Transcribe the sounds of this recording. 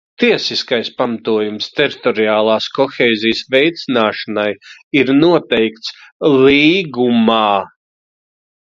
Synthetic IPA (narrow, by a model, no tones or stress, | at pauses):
t̪iɛsiskajspamat̪uɔjumst̪ɛɾit̪ɔɾiaːlˠaːskɔxʲɛːzijsvɛjt̪sinaːʃanajiɾnuɔt̪ɛjk̚t̪sliːɡumaː